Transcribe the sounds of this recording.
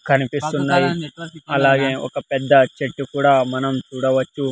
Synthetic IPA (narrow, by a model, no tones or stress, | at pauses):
kʰɐnipisunːaiɐlaːɡẽo̰ːkɐpɛd̪ːat͡ʃeʈːikuɽaːmɐnɐmtuɽaʋɐt͡ʃːu